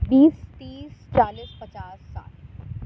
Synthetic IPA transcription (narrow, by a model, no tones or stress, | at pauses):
biːst̪iːst͡ʃaːliːspɐt͡ʃaːsːa̰ːl